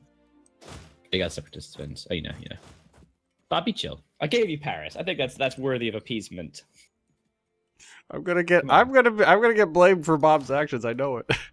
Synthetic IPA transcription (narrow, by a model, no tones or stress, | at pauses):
ɪɡḁsɛpɹɨtʰɪsfɨ̰̃nz̥o̰ʊjɨ̰no̰ʊjɨ̰no̰ʊ | b̥ɑbit͡ʃʰɪ̰lˠʔaɪɡeɪvjɨpʰæ̰ɹɨ̰saɪθɪ̃ŋk̚ðætsðætswɜ˞ðiʌvɨpʰizmɨ̃nt | ãɪ̃mɡʌnɨɡɛtãɪ̃mɡʌnɨbiãɪ̃mɡʌnɨɡɛt̚b̥lẽɪ̃md̥fə˞bɑbzækʃɨ̃nzaɪnoʊɪt̚